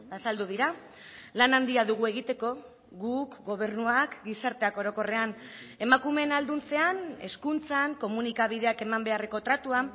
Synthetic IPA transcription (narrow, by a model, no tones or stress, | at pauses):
asald̪uðiɾa | lanand̪iaðuɣ̞ue̞ɣ̞it̪e̞ko̞ | ɣukɡo̞β̞e̞ɾnuakɡisaɾt̪e̞ako̞ɾo̞ko̞re̞ane̞makume̞nald̪unt͡se̞ane̞skunt͡saŋko̞munikaβ̞ið̞e̞ake̞mambe̞are̞ko̞t̪ɾat̪ua